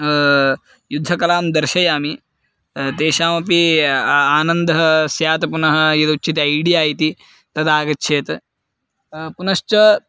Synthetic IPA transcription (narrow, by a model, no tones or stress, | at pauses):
jud̪ʱːɐkɐlaːmd̪ɐɾʃɐjaːmi | t̪eːʃaːmɐpi | aːnɐnd̪ɐɦɐsjaːt̪ɐpunɐɦɐ̆jid̪utːt͡ʃʰit̪ɐjɽiaːjit̪i | t̪ɐd̪aːɡɐtːt͡ʃʰeːt̪ | punɐʃt͡ʃɐ